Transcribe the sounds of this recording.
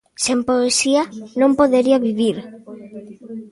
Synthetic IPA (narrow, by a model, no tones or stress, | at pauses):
sempoesianõmpoðeɾiaβiβiɾ